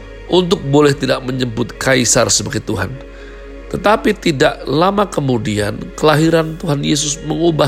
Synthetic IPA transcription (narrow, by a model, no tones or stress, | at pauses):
ʔunt̪ʊk̚bolɛht̪idaʔməɲəbʊt̪̚kaisarsəbəɡat̪uɦan | t̪ət̪apit̪idaʔlamakəmudia̰nkəlaɦiɾant̪uɦanjes̬ʊsməŋuba